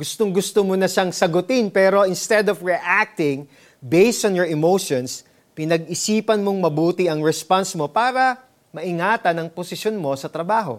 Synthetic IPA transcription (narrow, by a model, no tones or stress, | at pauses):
ɡʊst̪oŋɡʊst̪omonɐʃaŋsɐɡʊt̪ɪnpɛːɾo̞ʔɪnst̪ɛd̪ofɹiʔak̚t̪ɪ̃ŋ | bejst̪onjɔɹɛmowʃons | pɪnɐɡ̚ɪsiːpɐnmo̞ŋmɐbuːt̪ɪʔɐŋɹɛspansmo̞paːɾɐ | mɐʔɪŋaːt̪ɐnɐŋposɪʃonmo̞sɐt̪ɾɐbaːɦo̞̰